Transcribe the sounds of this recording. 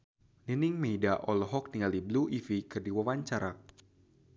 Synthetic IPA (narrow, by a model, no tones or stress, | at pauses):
niniŋmedaʔɔlɔɦɔk̚niŋalibluʔifikɨrdiwawaɲt͡ʃaɾa